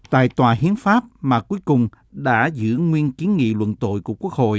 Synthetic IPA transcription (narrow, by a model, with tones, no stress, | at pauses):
t̪a̰ː˧˨jt̪waː˨˩hi˨˦ənfaː˦˥p̚maː˨˩ku˨˦əjkʊ˨˩ŋ͡m | ɗa̰ː˧˥zɨ̰˧˥ŋwi˧ənki˨˦ənŋḭ˧˨lwə̰˧˨nt̪o̰˧˨jku˧˩əku˦˥ək̚ho̰˧˨jʔ